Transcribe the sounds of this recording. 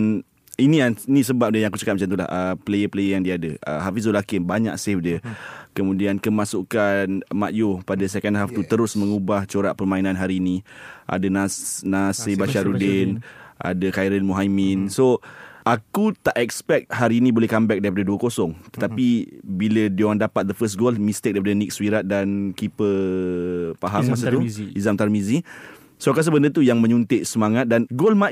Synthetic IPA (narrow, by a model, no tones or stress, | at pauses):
n | iniainĩsəbap̚dəjaŋakut͡ʃəkat̪̚mat͡ʃamt̪ula̰hʔəplejəpəlejəjaŋdiadəə̰ɦafis̬olakɪmbaɲa̰ʔsefdiəkəmũdiankəmãsukanmaʔjopadasɛkɛndɦaft̪ut̪əɾʊsmə̃ŋubaht͡ʃoɾaʔpərmãinãnɦaɾiːnĩʔa̰dananasebaʃaɾudɪnʔa̰dakajɾəlmuɦajminsoakut̪aʔɛkspɛk̚t̪̚ɦaɾiːnĩbolɛhkambɛk̚daɾip̬adaduəkosɔŋt̪ə̥t̪apibilədiowandapat̪̚d̪əfəst̚ɡolmist̪ɪk̚daɾipadanik̚swiɾat̪̚dankipə | paɦammasat̪uizamt̪armizi | soakas̬əbəndət̪ujaŋmə̃ɲunt̪ɪʔsəmaŋat̪̚danɡolma